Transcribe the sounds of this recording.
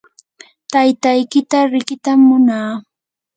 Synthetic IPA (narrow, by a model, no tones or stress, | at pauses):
t̪ajt̪ajkɪt̪aɾɪkɪt̪amːʊnaː